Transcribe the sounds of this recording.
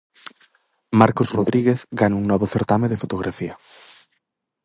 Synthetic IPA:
maɾkozroðɾiɣeθɡanuŋnɔβoθeɾt̪ameðefot̪oɣ̞ɾʔafia

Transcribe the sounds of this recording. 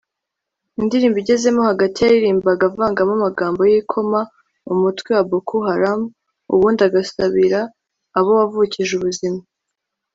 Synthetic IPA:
indiɾiːmbiɟe̞ze̞mo̞haɡatijajiɾiːmbaɡavaːŋɡamumaɡaːmbo̞jikʰo̞ma | umutwiwabokʰuɦaɾam | ṵβuːndaɡasaβiɾaː | βo̞wavuciʒuβuzima

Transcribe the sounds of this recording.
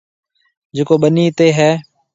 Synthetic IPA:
d͡ʒekoːɓəniːt̪eːɦɛː

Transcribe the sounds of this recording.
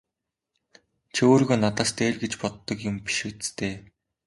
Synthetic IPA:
t͡ɕʰioːɾɣoːnat̪aːst̪eːɮɡet͡ɕpɔt̪ːɞ̆kjʊmpi̥ʃuːt͡st͡st̪ʰeː

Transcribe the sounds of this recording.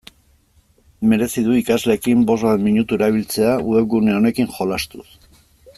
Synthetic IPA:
me̞ɾe̞siðuikazle̞ːkimbo̞zβat̪miɲut̪ue̞ɾaβ̞ilt͡se̞auðeɡune̞o̞ne̞kiŋxo̞last̪us

